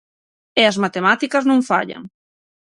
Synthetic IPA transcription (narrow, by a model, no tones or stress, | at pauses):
ɪazmat̪emat̪ikɐznõŋfa̰ʎa̰ŋ